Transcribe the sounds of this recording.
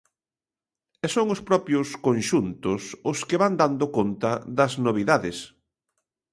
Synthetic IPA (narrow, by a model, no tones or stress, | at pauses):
ɛsoŋʊspɾɔpjʊskonʃunt̪ʊsʊskɪβand̪and̪ʊkont̪ɐðɐznoβ̞iðaðɪs